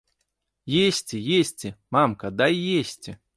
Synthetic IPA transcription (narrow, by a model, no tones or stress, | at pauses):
jesʲtʲɪjesʲtʲɪmamkɐd̪aijesʲtʲɪ